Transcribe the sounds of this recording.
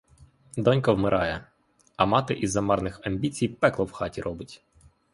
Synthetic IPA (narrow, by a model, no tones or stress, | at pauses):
d̪ɔnʲkɔwmɪɾʔɑjɛ | ɐmɑt̪ɪʔizːɐmɑrnɪxɐmʲbʲit͡sʲijpɛklˠɔwxɑtʲiɾʔɔbɪtʲ